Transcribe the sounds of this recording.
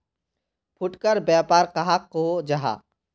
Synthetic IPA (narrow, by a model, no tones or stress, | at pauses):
pʰʊʈkəɾbjaːpaːɾqɐɦakːod͡ʒaɦa̰ː